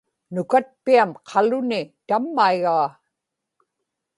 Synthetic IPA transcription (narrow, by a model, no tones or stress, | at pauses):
nʊkat̪̚piamqʰɑlʊnɪt̪amːaiɣaː